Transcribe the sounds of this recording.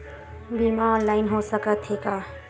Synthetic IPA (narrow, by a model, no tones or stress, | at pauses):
bimaɔːnlaɪnɦosəkət̪ʰeka